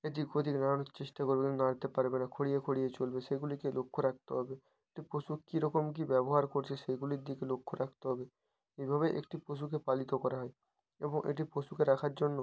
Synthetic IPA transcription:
eʈiɡot̪iknaɾanoɾt͡ɕeʃʈakoɾbekinonaɾat̪epaɾbenakʰoɽijekʰoɽijet͡ɕolbeʃeɡulikelokʰːoɾak̚ʰt̪oɦɔbe | eʈipɾoʃukiɾɔkomk̬ibɛboɦaɾkoɾt͡ɕʰeʃejɡuliɾd̪ikelokʰːoɾʔakʰt̪oɦɔbe | ejbʱaβeʔḛkʈipoʃ̬ukepalit̪okɔɾaɦɔe | ḛboŋʔḛʈ̬ipɾoʃukeɾakʰaɾd͡ʑonːo

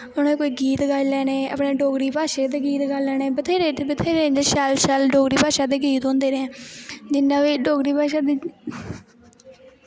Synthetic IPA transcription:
ʊneːkoːiːɡiːt̪ɡaːilɛːneːə̰pɽeːɖoːɡɾiːpaːʃeːd̪eːɡiːt̪ɡaːlɛːneːbət̪ʰeːɾeːbət̪ʰeːɾẽːd͡ʒeʃaːlʃaːlɖoːɡɾiːpaːʃaːd̪eːɡiːt̪õːnd̪eːɾɛ̃ːd͡ʒɪnːãːʋiːɖoːɡɾiːpaːʃaːd̪iː

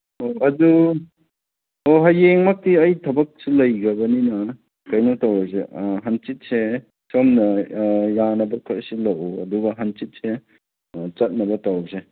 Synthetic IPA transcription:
oɐdu | oɦɐjeŋmɐk̚tiɐjtʰɐbɐk̚sulɐjɡɐbɐninɐ | kɐjnawtawɐseɦɐnt͡ʃit̚se | somnɐjanɐbɐkʰaɾsilɐwɐduɡɐɦɐnt͡ʃit̚se | t͡ʃɐt̚nɐbɐtawse

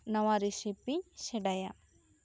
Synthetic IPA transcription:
nɔwaɾisipiɲsɛɖaja

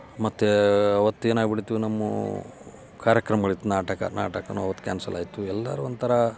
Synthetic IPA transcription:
mɐt̪ːeɐʋɐt̪ːueːnaːɡbiɽit̪ːuʋnɐmːṵ | kaːɾjɐkɾɐmɐɡɐɭit̪ːunaːʈɐkɐ̰naːʈɐkɐnuɐʋɐt̪ːu̥kʲa̰ːnsɐlʔaːjit̪uɛlːɐ̰ɾuɐnt̪ɐɾɐ

